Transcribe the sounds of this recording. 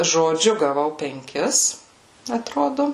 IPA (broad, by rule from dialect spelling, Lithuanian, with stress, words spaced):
ʒoːˈd͡ʒʲʊ ɡɐˈʋɐʊ pʲɛŋʲˈkʲɪs ɐtˈroːdoː